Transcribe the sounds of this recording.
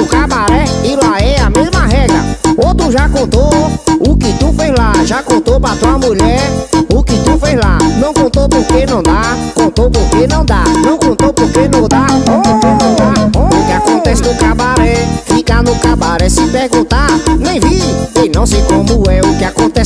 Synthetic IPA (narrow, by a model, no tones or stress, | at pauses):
ʊkabaɾɛɪlaɛamezmɐɦɛɡɾɐot̪ɾʊʒakõnt̪oʊkɪt̪ufezlaʒakõt̪opɾat̪uamuʎɛɾʊkɪt̪ufezlanɐ̃w̃kõt̪opoɾkenɐ̃w̃d̪akõt̪opʊɾkenɐ̃w̃d̪anɐ̃w̃kõtp̪opʊɾkenɐ̃d̪akõõk̪ẽnɐ̃laʊkɪakõnt̪ɛsɪkokabaɾɛfikanʊkabaɾɛsɪpeɾɡũt̪anẽj̃vienɐ̃w̃sejkõmʊɛʊkɪakõt̪ɛs